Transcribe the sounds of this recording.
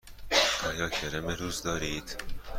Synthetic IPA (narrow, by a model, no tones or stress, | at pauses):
ɒːjɒːcʰeɾemeɾuːzd̪ɒːɾiːd̪̥